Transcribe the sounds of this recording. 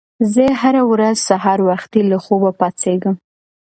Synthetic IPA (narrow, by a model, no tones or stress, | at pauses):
zəɦaɾawɾazsaɦɑɾwaxt̪ilaxobapɑt͡seɡəm